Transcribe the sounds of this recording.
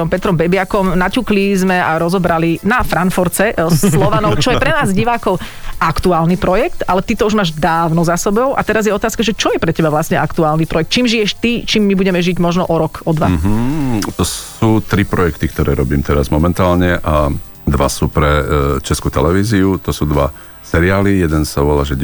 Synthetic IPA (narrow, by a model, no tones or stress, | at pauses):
ɔmpɛt̪ɾɔmbɛbɪakɔmnacuklizmɛaɾɔzɔbɾalinafɾanfɔɾt͡sɛslˠɔʋanɔʊt͡ʃɔjɛpɾɛnaːzɟiʋaːkɔʊ | ʔakt̪uaːlnipɾɔjɛkt̪alɛt̪it̪ɔuʒmaːʒd̪aːʊnɔzasɛbɔʊʔa̰t̪ɛɾazjɛɔt̪aːskaʒɛt͡ʃɔjɛpɾɛcɛbaʋlasɲɛakt̪uaːlnipɾɔjɛk̚t̪t͡ʃiːmʒijɛʃt̪it͡ʃiːmːibuɟɛmɛʒiɟmɔʒnɔʔɔɾɔkɔd̪ʋaɦ̩t̪ɔsuːt̪ɾipɾɔjɛkt̪ik̚t̪ɔɾɛ̰ːɾɔbiːmt̪ɛɾazmɔmɛnt̪aːlɲɛʔa | d̪ʋa̰suːpɾɛt͡ʃɛskut̪ɛlɛʋiːziut̪ɔsuːd̪ʋa̰ | sɛɾiaːlijɛd̪ɛnsaʋɔla̰ʒɛ